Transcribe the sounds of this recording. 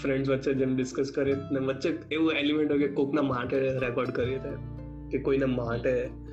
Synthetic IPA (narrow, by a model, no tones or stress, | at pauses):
fɾẽɳɖsʋətːʃʰed͡ʒemɖɪskəskɐɾet̪nẽʋətːʃeeuelimẽɳʈɦokekoːknamaːʈɛɾekɔːɾɖkɐɾit̪ɛ | kekoːinamaːʈɦɛ